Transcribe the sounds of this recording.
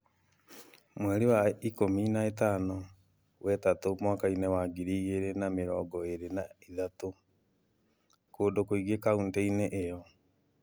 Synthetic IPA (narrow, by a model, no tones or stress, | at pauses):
mwɛɾewaikominaetaːno | wɛtatomwaːkainewaɡiɾiːɣeɾenameɾɔːɡɔeɾenaiðato | koːdokoiɣekaunteineʔejɔ